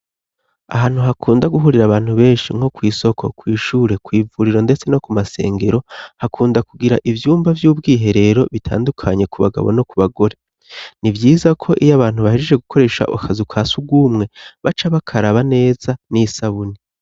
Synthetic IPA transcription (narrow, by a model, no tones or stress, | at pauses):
a̰ɦaːn̥huɦakʰuːndaɡuɦuɾiɾaβaːn̥huβe̞ːnʃiŋ̥ho̞kwiːso̞kʰo̞̰kwiːʃuːɾe̞kwiːvuɾiɾo̞nde̞t͡se̞no̞kumase̞̰ːŋɡe̞ɾo̞hakʰuːndakuɡiɾaʔivjuːmbavjuːb̚ɡiːɦe̞ɾe̞ɾo̞βitʰa̰ːndukʰaɲe̞kuβa̰ɡa̰βo̰no̞kuβaɡo̞ɾe | nivjiːzakʰo̞ʔijaβaːn̥huβaheʒed͡ʒe̞ɡukʰo̞ɾe̞ʃa̰ʔṵkʰazukʰaːsuɡuːmŋe̞βat͡ʃaβakʰaɾaβane̞ːz̥anisaβuni